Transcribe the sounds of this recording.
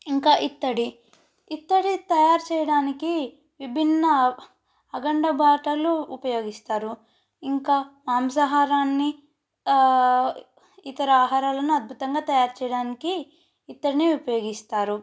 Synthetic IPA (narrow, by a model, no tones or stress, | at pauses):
iŋkaːʔit̪ːɐɽi | it̪ːɐɽit̪ɐjaːɾut͡ʃɛːjɐɽaːniki | ʋibʱinːɐː | ɡɐɳɖɐbʱaːʈɐluːpɐjo̞ːɡist̪aːɾu | iŋkaːmaːmsɐɦaːɾaːnːi | it̪ɐɾɐaːɦaːɾaːlɐnuɐd̪̚bʱut̪ɐŋɡaːt̪ɐjaːɾut͡ʃɛjɐɽaːnikiː | t̪ːɐɽiniupɐjo̞ːɡist̪aːɾu